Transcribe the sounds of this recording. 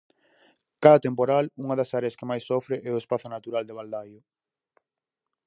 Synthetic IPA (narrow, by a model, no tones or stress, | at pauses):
kaðɐt̪empoɾaluŋɐðɐsaɾeɐskemajsːɔfɾeʔɛʊespaθʊnat̪uɾald̪eβald̪ajʊ